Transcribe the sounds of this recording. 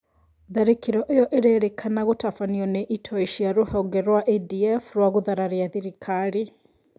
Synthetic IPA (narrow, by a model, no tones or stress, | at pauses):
ðaɾekiɾɔʔejɔʔeɾeɾekʰanaɣotafaniɔneʔitʰɔiʃiaɾohɔɡɛɾwaʔediɛfɾwaɣuðaɾaɾjaðiɾikʰaɾi